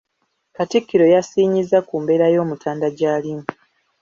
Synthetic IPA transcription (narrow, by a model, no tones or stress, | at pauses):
katikːiɾo̞jasiːɲizːakuːmbe̞ːɾajo̞ːmutʰaːndaɟaːlimu